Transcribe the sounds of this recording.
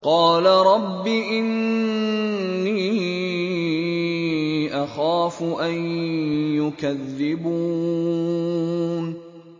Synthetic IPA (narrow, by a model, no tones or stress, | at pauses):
qɑːlaɾˤɑbːiʔɪn | iː | ʔaxaːfʊʔanjʊkaðːɪbuː | n